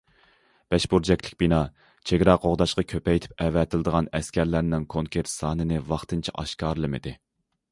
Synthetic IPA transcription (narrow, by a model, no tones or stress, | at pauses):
b̥ɛʃbuɾd͡ʒɛkʲlɪkʲbinɑ | t͡ʃʰeɡʲɾɑqʰoʁd̪ɑʃqɑkʲʰøpɛjt̪ʰɪ̥p̚ɛvɛt̪ʰɪlɨd̪əʁɑnɛskʲæɾlæɾnɪŋkʰoŋkʲʰeɾt̪sɑːnɨnɪvɑχt̪ɨnt͡ʃʰɛʔɑ̰ʃkɑːɾlˠɨmɨd̪ɪ